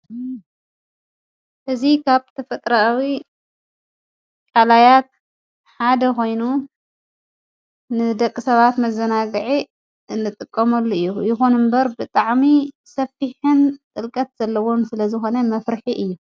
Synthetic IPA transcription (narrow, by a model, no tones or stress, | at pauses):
ʔɨzikʰaβt̪ʰɐfɐt̪ʼɾawi | kʼalajat̪̚ | ħad̪ɐko̞jnu | nɨd̪ɐkʼːɨsɐβat̪mɐzɐnaɡɨʕi | ɨnːɨt̪ʼɨkʼːɐmɐlːuɨjːujɪxonɨmbɐɾbɨt̪ʼaʕmi | sɐfiħɨnt̪ʼɨlkʼɐt̪z̥ɐlːɐwo̞msɨlɐzɨxo̞nɐmɐfɾħiʔɨjːu